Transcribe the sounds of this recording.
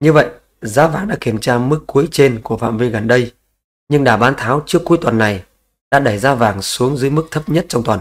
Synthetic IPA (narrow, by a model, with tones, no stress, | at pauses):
ɲɨ˧və̰˧˨jʔ | zaː˨˦vaː˨˩ŋɗa̰ː˧˥ki˧˩əmt͡ɕaː˧mɨ˦˥kːu˨˦əjt͡ɕe˧nku˧˩əfa̰ː˧˨mvi˧ɣə˨˩nɗə˧j | ɲɨ˧ŋɗaː˧˩ɓaː˨˦nt̪ʰaː˨˦wt͡ɕɨ˧˥əkːu˨˦əjt̪wa˨˩nːa˨˩j | ɗa̰ː˧˥ɗə˧˩jzaː˧vaː˨˩ŋsu˨˦əŋzɨː˨˦jmɨ˦˥k̚t̪ʰə˦˥p̚ɲə˦˥t̚t͡ɕɔ˧wŋ͡mt̪waː˨˩n